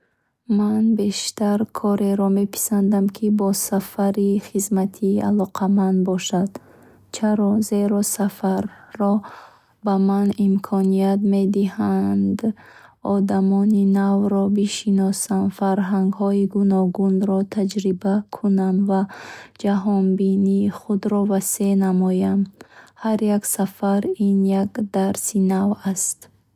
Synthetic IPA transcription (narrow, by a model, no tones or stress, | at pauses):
manbe̞ʃt̪aɾkʰɔɾe̞ɾɔme̞pʰi̥sand̪amkʰibɔsafaɾiχizmat̪ʰiːʔa̰lɔqʰamand̪bɔʃad̪̥ | t͡ʃʰaɾɔze̞ɾɔsafaɾːɔ | bamanimkʰɔniat̪me̞d̪ihand̪ | ɔd̪amɔninavɾɔbiʃinɔsanfaɾɦaŋɡhɔiɡunɔɡunɾɔt̪ʰad͡ʒɾibakʰunamvad͡ʒaɦɔnbiniːχud̪ɾɔvase̞namɔjamhaɾjaksafaɾinjakd̪aɾsinavast̪